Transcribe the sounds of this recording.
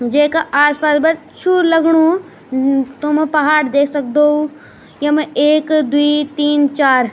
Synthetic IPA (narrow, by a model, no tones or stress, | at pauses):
d͡ʒeːkaʔaːspaːsbɐt̪̚ | t͡ʃʰulɐɡɽ̃u | t̪ompɐɦaːɽd̪eːkʰsɐk̚d̪ou | jɐmeːkd̪uit̪iːnt͡ʃaːɾ